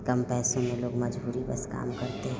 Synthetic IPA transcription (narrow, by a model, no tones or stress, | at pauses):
kɐmpɛːsõmẽloːɡmɐd͡ʒbuːɾibɐ̰ska̰ːmkɐɾt̪eɦɛ̃